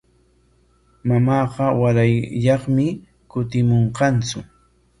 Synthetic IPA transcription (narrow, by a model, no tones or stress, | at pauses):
mamɑːqɑwaɾajʎɑχmɪ | kʊt̪ɪmoɴqɑnt͡sʊ